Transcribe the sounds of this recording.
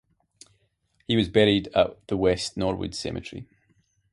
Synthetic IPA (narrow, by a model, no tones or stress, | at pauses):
hiwɒzbɛɹidə̰ʔðəwɛstnɔɹwə̰d̥sɛ̰mʔɨ̰t͡ʃɹ̥ḭ